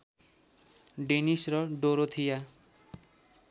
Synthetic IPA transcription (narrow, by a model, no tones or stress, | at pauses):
ɖenisrʌɖoɾot̪ʰija